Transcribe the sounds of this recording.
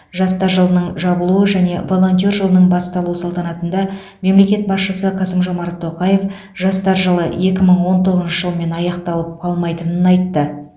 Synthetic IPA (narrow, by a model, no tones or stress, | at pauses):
ʒɑst̪ɑɾʒəlˠənəɴʒɑbəlˠuəʒæne̞̰vo̞lˠo̞nt̪̬ʲijo̞rʒəlˠənəɴbɑst̪ɑlˠuəsəlˠt̪ɑnɑt̪ənd̪ɑ | me̞mle̞kʲe̞t̪̚bɑsʃəsəqʰɑsəmʒo̞mɑɾt̪ʰːo̞qɑje̞f | ʒɑst̪ɑɾʒəlˠəe̞kʲɪməɴwo̞nt̪ʰoʁəzʃəʒəlˠəme̞nɑjɑqt̪ɑlˠəp̚qʰɑlˠmɑjt̪ənənɑjt̪ːə